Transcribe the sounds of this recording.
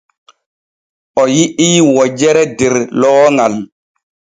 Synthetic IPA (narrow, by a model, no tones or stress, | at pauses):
ʔɔjiʔiwɔd͡ʒɛɾɛdɛɾlɔːŋal